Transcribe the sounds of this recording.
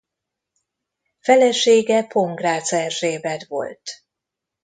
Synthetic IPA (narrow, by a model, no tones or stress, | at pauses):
fɛlɛʃeːɡɛpo̞ŋɡraːt̪sɛʃeːbɛd̪vo̞̰lt̪